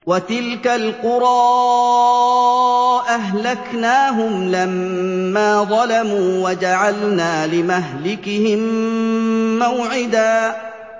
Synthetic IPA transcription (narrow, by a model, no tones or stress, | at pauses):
wat̪ɪlkalqʊɾˤɑː | ʔaɦlaknaːɦʊmlamːaːðˤɑlamuːwad͡ʒaʕalnaːlɪmaɦlɪkɪhɪmː | awʕɪd̪aː